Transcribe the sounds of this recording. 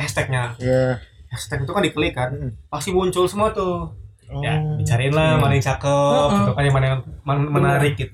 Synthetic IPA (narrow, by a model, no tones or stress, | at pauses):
hɛst̪ɛk̚ɲa | hɛst̪ɛk̚ɲit̪ukandikəlikanpast̪ibuɲt͡ʃʊlsəmuat̪ʊ | ja̰bit͡ʃaɾaɪnlamanɪŋt͡ʃakəp̚unt̪ukaɲamanamənaɾɪk̚ɡit̪u